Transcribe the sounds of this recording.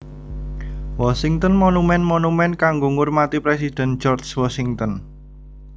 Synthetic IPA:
wɔsiŋt̪ɔnmɔnumɛnmonumɛnkaŋɡoŋʊrmat̪ipɾɛsid̥ɛ̤n̥d͡ʒɔrswɔsiŋt̪ɔn

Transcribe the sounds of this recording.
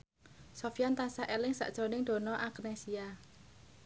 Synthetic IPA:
sofijant̪asaʔelɪŋsa̰ʔd̥ʒ̥o̤nɪŋd̪̥o̤nɔʔaknesia

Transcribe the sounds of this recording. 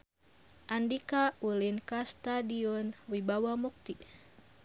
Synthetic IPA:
ʔandikaulinkast̪adiɔnwibawamuk̚t̪i

